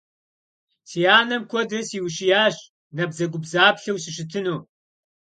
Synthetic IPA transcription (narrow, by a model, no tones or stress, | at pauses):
siːjaːnɐmkʷʰɔdɐsiwɕijaːɕ | nɐbzɐɡʷʊbzaːpɬɐwsɪʃ̬ɪtʰɨnuː